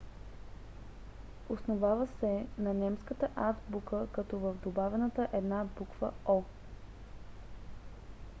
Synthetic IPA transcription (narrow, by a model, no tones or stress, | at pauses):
osnovavəsɛnɐnɛmskət̪əʔat̪bukəkɐt̪ɔvəvd̪obavɛnət̪əʔɛd̪nabukvəɔ